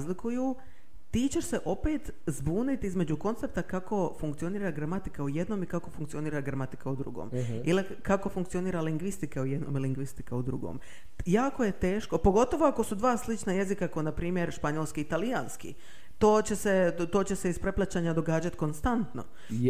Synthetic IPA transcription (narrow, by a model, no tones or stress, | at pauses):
zlikuju | t̪iːt͡ɕe̞ʃse̞ʔo̞peːt̪ | zbuːnit̪izme̞d͡ʑuko̞nt̪sep̚t̪akako̞fuŋk̚t̪io̞niːɾaɡɾamat̪ikauje̞d̪no̞ːmikako̞fuŋkt̪io̞niːɾaɡɾamat̪i̥kaud̪ɾṵɡo̰ːmili | kakofuŋkt̪io̞niːɾaliŋɡʋist̪ikaujed̪no̰miliŋɡʋist̪ikaud̪ɾṵɡo̰m | jaːko̞je̞t̪e̞ːʃko̞po̞ɡo̞t̪oʋo̞ako̞sud̪ʋaːslit͡ʃnaje̞zikakoenapɾiːmje̞ɾʃpaɲolskiːt̪alijaːnskḭ | t̪o̞ːt͡ɕe̞set̪o̞ːt͡ɕe̞se̞ispɾe̞plˠat͡ɕaːɲad̪o̞ɡaːd͡ʑat̪ko̞nst̪ant̪no̞̰